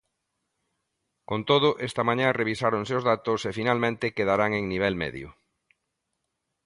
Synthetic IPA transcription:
kont̪oð̞ʊʔest̪amãɲãreβ̞isaɾoŋseʊzðat̪ʊsefinalmẽnt̪ɪkeðaɾaŋeŋniβ̞ɛlmɛ̰ðjʊ̰

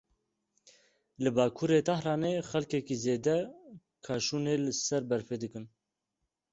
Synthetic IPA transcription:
lɨbaːkʰuːɾeːt̪ɑhɾɑːneːxɛlkɛkiːzeːd̪ɛ | kʰaːʃuːneːlɨsɛɾbɛɾfed̪ɨkɨn

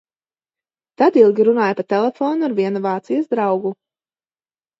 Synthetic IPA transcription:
t̪ad̪ilˠɡʲiɾunaːjapaɾt̪ɛlˠɛfɔːnuaɾvʲiɛnuvaːt̪sijasd̪ɾawɡu

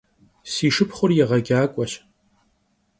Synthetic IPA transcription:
siːʂɨpʰχʷʊrjɛʁɐɡʲaːkʷʼɔɕ

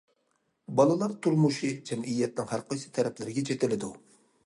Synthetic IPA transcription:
bɑlˠɨlˠɑɾt̪ʰuɾmuʃid͡ʒɛmijːɛt̪̚nɪŋhæɾqɑjt͡ʃʰɨ̥t̪ʰɛɾɛplɪɾɪɡʲɛt͡ʃʰet̪ɪlɪd̪u

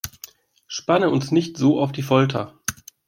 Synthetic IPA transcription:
ʃpanəʊnsnɪçtz̥oːʔaʊfd̥iːfɔltʰɐ̰

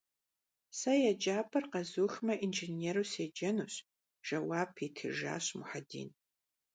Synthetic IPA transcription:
sɐjɛd͡ʒaːpʰʼɐrqɐzuːxmɐʔinʒeneːɾuːsed͡ʒɐnuːɕ | ʒ̥ɐwaːbʰitʰɨ̰ʒa̰ːɕmʊħadḭːn

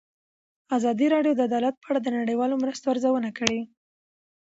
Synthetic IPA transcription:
azɑd̪iɾɑɖjod̪əad̪ɑlat̪̚pəaɽad̪ənaɽəjwɑlomɾəst̪oaɾzawənakəɽe

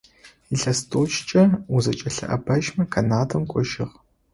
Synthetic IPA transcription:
iɬɐstʰʼoːt͡ʃt͡ʃʼɐuzɐt͡ʃʼɐɬɐ̰ʔɐ̰bɐʒmɐkʰɐnaːdʰɐmkʷʼɔʒɪ̰ʁ

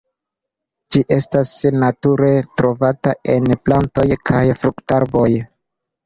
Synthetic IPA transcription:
d͡ʒiʔe̞stasnatuɾe̞tɾo̞vatae̞nplanto̞jkʰajfɾuktaɾbo̞j

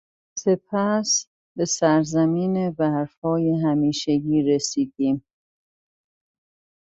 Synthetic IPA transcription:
se̞pʰæs | be̞sæɾzæmiːnebæɾfɒːjeɦæmiːʃeɟiːɾesiːd̪iːm

